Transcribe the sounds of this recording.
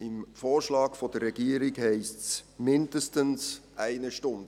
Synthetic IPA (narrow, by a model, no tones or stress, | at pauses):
ɪmfoːɾʃlɑːɡfɔd̥ərːɛɡiːəɾɪɡhɛɪstsmɪndəstənsʔæɪnəʃtʊndə